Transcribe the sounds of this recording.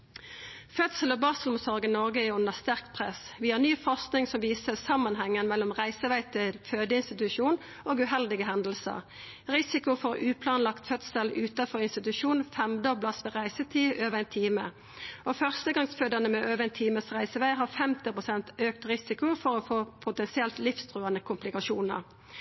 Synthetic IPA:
fœt̪səlɔbɑːsəlɔmsɔʁɡənɔʁɡəæʉʊnːəst̪æʁkt̪pʰʁɛsʋɪːhɑnyːfɔʁsknɪŋsɔmʋiːsəsɑmːɑnhɛŋːənmɛlːɔmʁæɪsəʋæɪt̪ʰɪlføːd̪əɪnst̪ɪt̪ʉʃuːn | oːɡʉɦɛld̪ɪɡəɦɛnd̪l̩sə̰ʁ | ʁɪsɪkʊfɔʁʉːpʰlɑnlɑkt̪fœt̪səlʉːt̪ɑfɔʁɪnst̪ɪt̪ʉʂuːnfɛmd̪ɔblɑsʋɛʁæɪsət̪ʰiːʔøːʋəɛɪnt̪ʰiːmə | ɔfœʁst̪əɡɑŋsføːd̪ənəmɛʔøːʋəɛɪnt̪ʰiːməsʁæɪsəʋæɪɦɑfɛmt̪ɪpʁʊsɛnt̪øːk̚t̪ʁɪsɪkʊfɔɾɔfoːpʰʊt̪ɛnsɪɛlt̪lɪfst̪ʰʁuːənəkʰʊmplɪkɑʃuːnə̰ʁ

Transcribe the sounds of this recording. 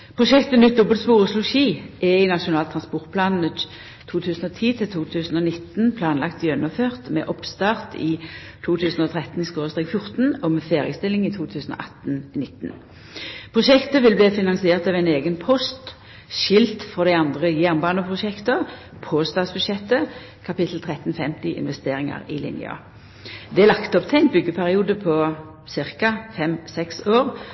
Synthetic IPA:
pʰʁʊʃɛkt̪ənʏt̪̚d̪ɔbəlt̪spuːʁəslʊʃiːʔɛɪnɑʃʊnɑːlt̪ʰʁɑnspɔʁt̪̚pʰlɑːnn̩ə | t̪ʰuːt̪ʰʉːsn̩ɔt̪ʰiːt̪ʰɪlt̪ʰuːt̪ʰʉːsn̩ɔnɪt̪npʰlɑːnlɑkt̪jœnɔføːʁt̪mɛ̰ːʔɔpst̪ɑːʁt̪ʰɪt̪ʰuːt̪ʰʉːsnɔt̪ʰʁɛt̪n̩ɪskoːʁəst̪ʁeːkfjʊʁt̪n̩ɔmɛfeːʁɪəst̪ɪlɪŋɪt̪ʰuːt̪ʰʉːsənɔ̰ʔɑ̰t̪nnɪt̪ːn | pʰʁʊʃɛkt̪əʋɪlbliːfɪnɑnsɪeːʁt̪ɑʋæɪneːɡənpʰɔst̪ | ʃɪlt̪fɔʁd̪æɪɑnd̪ʁəjæːʁnbɑːnəpʰʁʊʃɛkt̪ə | pʰoːst̪ɑːsbʉd̪ʃɛt̪ːə | kʰɑpɪt̪l̩t̪ʰʁɛt̪n̩fɛmt̪ɪʔɪ̰nʋɛst̪eːʁɪŋɑ̰ʁɪlɪ̰njɑ̰ | d̪ɛælɑkt̪ɔpt̪ʰɛɪnt̪̚bʏɡːəpʰæʁɪuːd̪əpʰɔ | sɪʁkɑfɛmsɛksoːʁ

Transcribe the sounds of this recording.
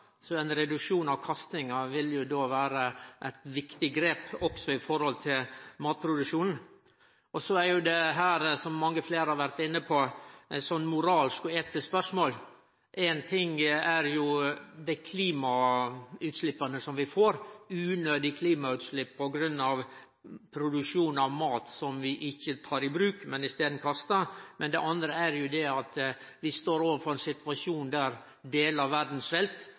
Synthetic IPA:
sɔɛnɾɛd̪ʉkʂuːnɑʋkʰɑst̪ɪŋɑʋɪljʊd̪oːʋæːɾəʔæɪt̪ʋɪkt̪ɪɡɾeːpɔksɔɪfɔɾhɔlt̪ʰɪlmɑːt̪̚pʰɾʊd̪ʉkʂuːnn̩ | ɔsɔæɾjʊd̪ɛɦæːɾsɔmːɑŋːəfleːɾhɑɾʋæɾt̪ɪnːəpʰɔɛsɔnːmʊɾɑːlskɔɛːt̪əspœʂmoːl | ʔɛnt̪ʰɪŋæɾjʊd̪ɛkʰliːmɑ | ʉːt̪ʂlɪpːɑnəsɔmʋɪfoːɾʉːnøːd̪ɪkʰliːmɑʉːt̪slɪpːʰɔɡɾʉnːɑʋ | pʰɾʊd̪ʉkʂuːnɑʋmɑːt̪sɔmʋɪʔɪçːət̪ʰɑːɾɪbɾʉːkmɛnɪst̪eːd̪n̩kʰɑst̪ɑmɛnd̪ɛ̰ʔɑnd̪ɾəæɾjʊd̪ɛɑt̪ʋɪst̪oːɾoːʋəɾfɔɾɛnsɪt̪ʋɑʂuːnd̪æɾ | d̪eːləɾʋæɾd̪n̩sfɛlt̪

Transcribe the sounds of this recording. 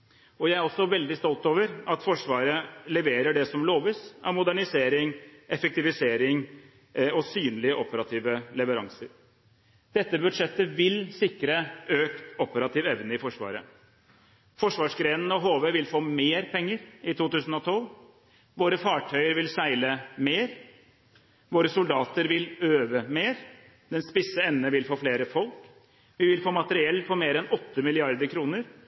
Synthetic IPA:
ɔjæɪæɾɔsːɔʋɛld̪ɪst̪ɔlt̪oːʋəɾɑt̪fɔʂʋɑːɾəlɛʋeːɾəɖɛsɔmloːʋiːsɑmʊd̪æɳɪseːɾɪŋʔɛfɛk̚t̪ɪʋɪseːɾɪŋ | ɔsyːnlɪəʔɔpəɾɑt̪ʰiːʋəlɛʋəɾɑŋsəɾ | d̪̥ɛt̪ːəbʉd̪ʂɛt̪ːəʋɪlsɪkɾəʔøːkt̪ɔpəɾɑt̪ʰiːʋɛʋnəɪfɔʂʋɑ̰ːɾə | fɔʂʋɑːʂɡɾeːnn̩ɔɦoːʋeːʋɪlfoːmeːɾpʰɛŋːəɾɪt̪ʰuːt̪ʉːsn̩ɔt̪ʰɔl | ʋoːɾəfɑːʈʰœʏəɾʋɪlsæɪləmeːɾ | ʋoːɾəsʊld̪ɑːt̪əɾʋɪløːʋəmeːɾ | d̪̥ɛnspɪsəɛnnəʋɪlfoːfleːɾəfɔlk | ʋɪʋɪlfoːmɑt̪əɾɪɛlːpʰɔmeːɾɛnɔt̪ːəmɪlɪɑɾd̪əɾkʰɾuːnəɾ

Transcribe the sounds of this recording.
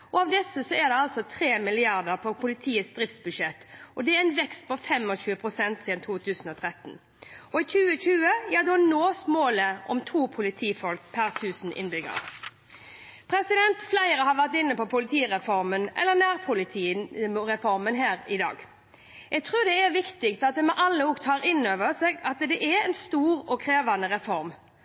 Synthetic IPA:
ʔɔɑʋd̪ɛsːəsɔæd̪ɛɑlsɔt̪ʰɾeːmɪlɪɑʁd̪əʁpʰɔpʰʊlɪt̪ʰiːəsd̪ɾɪft̪sbʉʂɛt̪ːʔɔd̪ɛɛæɪnʋɛkst̪̚pʰɔfɛmɔɕʉːəpʰʁʊsɛnt̪siːd̪ənt̪ʰuːt̪ʰʉːsən̩ɔt̪ʰɾɛt̪n̩ | ɔɪçʉːəɕʉːəjɑd̪onoːsmoːləʔɔ̰mt̪ʰuːpʰʊlɪt̪ʰiːfɔlkpʰæʁt̪ʰʉːsn̩ʔɪ̰nbʏɡə̰ɾ | pʰɾɛsɪd̪ɛnt̪flæɪɾəhɑʋæʁt̪ɪnːəpɔpʰʊlɪt̪ʰiːɾɛfɔɾmənʔɛ̰lːənæːʁpʰʊlɪt̪ʰiːɾɛfɔɾmənɦæːɾɪd̪ɑ̰ːɡ | jɛɡ̚t̪ʰʁʉːɾd̪ɛæɾʋɪkt̪ɪkt̪ɑt̪̚d̪ɛmɛʔɑlːəʊɡt̪ʰɑːɾɪnøːʋəɾsɛːɡɑt̪d̪ɛʔɛɛnst̪uːɾɔkʰɾeːʋɑnəɾɛfɔɾm

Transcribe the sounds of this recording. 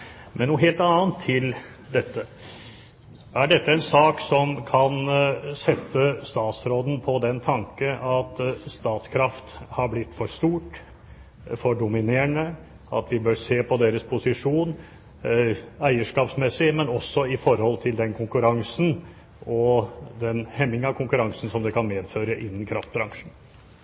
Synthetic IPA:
mʔɛnːuːɦeːlt̪ɑːənt̪ʰːɪl | d̪ɛt̪ʰːə | ʔæɖɛt̪ːəɛnsɑːksɔmkʰɑnsɛt̪ːəst̪ɑːt̪sɾoːd̪n̩pʰɔd̪ɛnt̪ʰɑŋkəʔɑt̪st̪ɑːt̪skʰɾɑft̪hɑɾblɪt̪ːfɔʂt̪uːʈ | fɔɖʊmɪneːɳə | ʔɑ̰t̪ʋɪbøːɾseːpʰɔd̪eːɾəspʰʊsɪʂuːn | æɪəʂkɑːpsmɛsɪmɛnɔsːɔɪfɔɾhɔlt̪ʰɪld̪ɛnkʰʊŋkʉɾɑŋsn̩ | ɔd̪ɛnhɛmːɪŋɑʋkʰʊŋkʉɾɑŋsn̩sɔmd̪ɛkʰɑnmeːd̪føːɾəʔɪnːənkʰɾɑft̪̚bɾɑŋʂn̩

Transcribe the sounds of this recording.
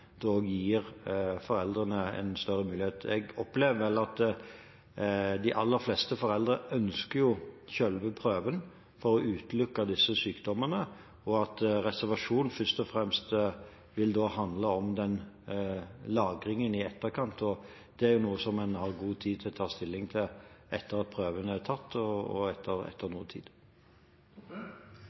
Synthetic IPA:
d̪̥oːjiːɾfɔɾɛld̪ɾənəɛ̰nst̪œɾːəmʉːlɪheːt̪ʰɛ̰ɡɔpleːʋəʋɛlːɑt̪ | d̪ɪʔɑlːəɾflɛst̪əfɔɾɛld̪ɾəœnskəjʊçœlʋəpʰɾøːʋən | fɔɾɔʔʉːt̪lʉkːɑd̪ɪsəsyːkd̪ɔmənə | ɔɑt̪ɾɛsæʁʋɑʂuːnfʏst̪ɔfɾɛmst̪ | ʋɪld̪oːhɑnd̪ləɔmd̪ɛn | lɑːɡɾɪŋənɪɛt̪ːəɾkʰɑnt̪ɔ | d̪̥ɛæɾjʊnuːəsɔmːɛnhɑʁɡuːt̪ʰiːd̪̚t̪ʰɪlɔt̪ʰɑːst̪ɪlːɪŋt̪ʰɪlʔɛt̪ːəʁɑt̪̚pʰɾøːʋənəæɾt̪ʰɑt̪ːɔɔ̰ɛt̪ʰːəɾɛ̰t̪ʰːəɾnuːt̪ʰḭːd̪

